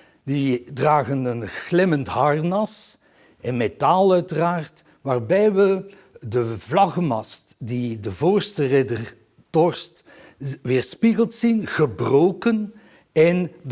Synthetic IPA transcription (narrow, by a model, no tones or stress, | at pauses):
didraːɣənənklɪməntɦɑrnɑs | ɛnmetalˠœɥtəraːrt | ʋaːrbɛjʋə | dəvlɑɣəmɑstdidəvoːrstərɛdər | tɔrst | ʋɪːrspiɣəlˠtsinɣəbroːkən | ɛn